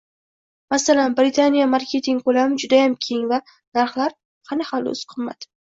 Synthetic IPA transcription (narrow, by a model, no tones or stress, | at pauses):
masalanbɾɪt̪ʰanijamaɾkʲʰe̞t̪ʰɪŋkʰolamɪd͡ʒʊd̪ajamkʲʰe̞ŋva | naɾχlaɾ | qʰɑnahɑlo̰ʊ̰sqʰɨmːa̰d̪